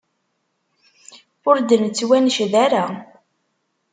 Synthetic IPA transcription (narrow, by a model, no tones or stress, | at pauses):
ʊɾd̪ənt͡sːwænʃðaɾa